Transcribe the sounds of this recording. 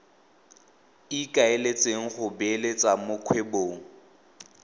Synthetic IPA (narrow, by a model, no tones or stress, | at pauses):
ikʼaelet͡sʼeŋ̩χʊbelet͡sʼamʊkʰweboːŋ̩